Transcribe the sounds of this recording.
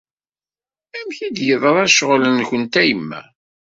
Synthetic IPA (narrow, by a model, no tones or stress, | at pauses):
æmçid̪jəðˤɾˤæʃʁlənçənt̪æjəmːæ̰